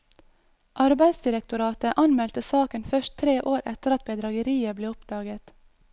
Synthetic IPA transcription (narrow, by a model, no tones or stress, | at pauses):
ʔɑɾbæɪd̪sd̪ɪɾɛkt̪ʊɾɑːt̪əʔɑnmɛlt̪əsɑːkənfœʃtt̪ʰɾeːʔoːɾʔɛ̰t̪əɾɑt̪̚bɛd̪ɾɑɡəɾiːəbleːʊpd̪̥ɑːɡət̪